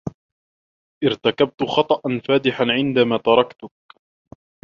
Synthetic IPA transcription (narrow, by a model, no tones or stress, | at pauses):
ʔɪɾt̪akab̚t̪ʊxɑt̪ˤɑʔanfaːd̪ɪħanʕɪnd̪amaːt̪ɑɾˤɑkt̪ʊk̚